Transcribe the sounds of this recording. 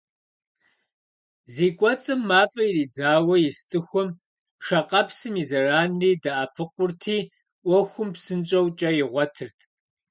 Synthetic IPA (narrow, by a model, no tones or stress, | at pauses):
ziːkʷʼɔt͡sʼɨmːaːfʼɐjiriːd͡zaːwɐjɪst͡sʼɨxʷɔm | ʃɐqʼɐpsɨmizɐraːnriːdaʔapʰɨqʷʊrtʰiː | ʔʷɔxʷʊmpsɨnt͡ʃʼɐwt͡ʃʼɐjɪʁʷɔtʰɨrtʰʼ